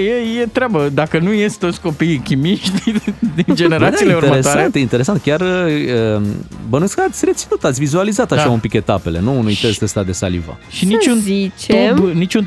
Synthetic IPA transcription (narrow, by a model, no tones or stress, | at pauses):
jejet̪ɾeabəd̪akənujest̪̚t̪o̞t̪sʲko̞pijkʲimiʃt̪ʲd̪ind͡ʒe̞neɾat̪asiilieuɾt̪emɾesoaɾent̪jeint̪e̞ɾe̞s̬ant̪̚kʲarəəbənueskəat̪sʲre̞t̪sinut̪at̪sʲvizualizat̪aʃaumpik̪et̪ape̞le̞nuːnujt̪est̪est̪ad̪e̞salḭva̰ʃinit͡ʃunzit͡ʃ̪enit͡ʃun